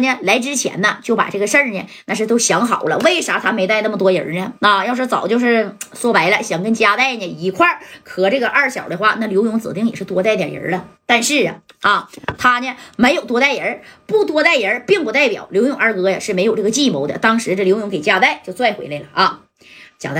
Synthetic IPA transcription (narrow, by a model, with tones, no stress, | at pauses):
nɛ˥˧la˧˥ɪʈ͡ʂɻ̩˥t͡ɕʰjɛ̰˧˥nnə˧t͡ɕjo˥˩ʊpa̰˨˩ʈ͡ʂɤ˥˩ɡə˩ʂə˥˧njɛ̰˨na˥˧ʂɻ̩˥˩t̪o˥ʊɕjɑ˧˥ŋxɑ˨˩ʊlə̰˦we˥˩ɪʂa˧˥t̪ʰa˥me˧˥ɪt̪a˥˧ɪnə˥˩mə˩t̪wɔ˥jə̰˧˥nə˧a˧jʊʂɔ˥t͡sɑ˨˩ʊt͡ɕjo˥˧ʊʂɻ̩˥˧swɔ˥˩pa˧˥ɪlə˧ɕjɑ˨˩ŋkə˥nt͡ɕja˥t̪a˥˩ɪnə˨˩i˧˥kʰwa˥˩kʰɤ˨˩ʈ͡ʂɤ˥˩ɡə˩ʔɐ˞˥˩ɕjɑ˨˩ʊd̪ə˦xwa˥˩na˥˩ljo˧˥ʊjʊ˧˥ŋt͡sɹ̩̰˨˩t̪i˥˩ŋjɛ˨˩ʂɻ̩˥˩t̪wɔ˧˥t̪̬a˥˩ɪt̪jjə̰˧˥lə˧t̪a˥˧nʂɻ̩˥˩ɐ̰˩ | ɐ˥˩t̪ʰa˥nɛ˨me˧˥ɪjo˨˩ʊt̪wɔ˥t̪a˥˩ɪjə˧˥pu˥˩t̪wɔ˧˥t̪a˥˩ɪjə˧˥pi˥˩ŋpu˧˥t̪a˥˩ɪpjɑ˨˩ʊljo˧˥ʊjʊ˧˥ŋə˞˧˥kɤ˧˥jɐ̰˨ʂɻ̩˥˩me˧˥ɪjʊʈ͡ʂɤ˥˩ɡə˩t͡ɕi˥˩mo˧˥ʊd̪ə̰˧t̪ɑ˥ŋʂɻ̩˧˥ʈ͡ʂɤ˥˩ljo˧˥ʊjʊ˧˥ŋke˨˩ɪt͡ɕja˥t̪a˥˩ɪt͡ɕjo˥˧ʊt͡swa˥˩ɪxwḛ˧ɪle˥˩lə˩ʔɐ˥˧ | t͡ɕja̰˧˥t̪a˥˩